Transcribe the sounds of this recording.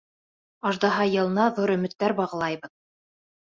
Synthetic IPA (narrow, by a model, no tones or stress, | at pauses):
ɑʒd̪ɑɦɑjɤ̆lˠɤ̆nɑðuɾɵ̆mɵ̆t̪ːæɾbɑʁɤ̆lˠɑjbɤð